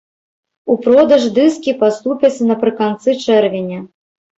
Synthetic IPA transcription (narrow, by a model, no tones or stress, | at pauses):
upɾɔd̪ɐʐd̪ɨskʲipast̪upʲɐt͡sʲːɐnɐpɾɨkant̪sɨt͡ʂɛrvʲenʲɐ